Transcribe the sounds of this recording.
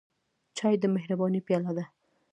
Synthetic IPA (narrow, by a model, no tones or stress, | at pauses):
t͡ʃɑjd̪əmɪhɾabɑnipjɑlad̪a